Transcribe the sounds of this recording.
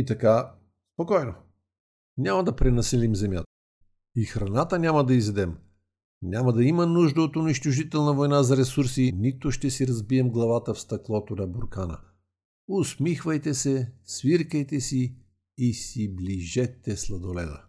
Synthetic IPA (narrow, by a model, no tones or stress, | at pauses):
it̪ɐka | spokɔjno | nʲamɐd̪ɐpɾɛnɐsɛlimzɛmjat̪ə̥ | ixɾɐnat̪ənʲaməd̪ɐizɛd̪ɛm | nʲaməd̪ɐimənuʒd̪ɐot̪ʊniʃt̪ʊʒit̪ɛlˠnɐvojnazɐɾɛsuɾsinit̪ʊʃt̪ɛsiɾɐzbiɛmɡlˠɐvat̪əfst̪ɐklˠɔt̪onɐboɾkanə̰ | ʊsmixvəjt̪ɛsɛsviɾkəjt̪ɛsiː | sibliʒɛt̪ːɛslˠɐd̪olɛ̰d̪ə̰